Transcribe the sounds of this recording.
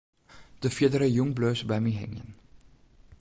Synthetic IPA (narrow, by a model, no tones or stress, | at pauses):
d̥əfiədəɾəjuŋbløːsbɛmiɦɛ̰ŋə̰n